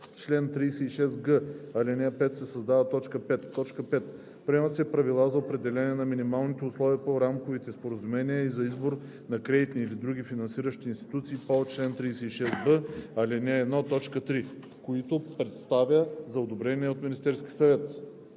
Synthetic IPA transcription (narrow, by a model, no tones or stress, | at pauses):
t͡ʃlɛnt̪ɾiːsɛiʃɛsɡəɐlʲɛnʲɛpɛt̪sɛsɐzd̪avət̪ɔt͡ʃkəpɛt̪ːɔt͡ʃkəpɛt̪ | pɾɛot̪siɛpɾɐvilˠazɐopɾɛd̪ɛlɛnʲiɛnɐminimalˠnit̪ɛʊslˠɔviəpoɾamkovit̪ɛspoɾɐzumɛniəizɐizboɾ | nɐkɾɛd̪it̪niilid̪ɾuɡ̟ifinɐnsiɾəʃt̪iːnst̪i̥t̪ut̪siːpot͡ʃlɛnt̪ɾijsɛiʃɛsbəɐlɛnʲɛɛd̪not̪ɔt͡ʃkət̪ɾi | koit̪opɾɛt̪st̪avʲjəzɐod̪obɾɛniɛot̪minʲist̪ɛɾskʲisɐvɛt̪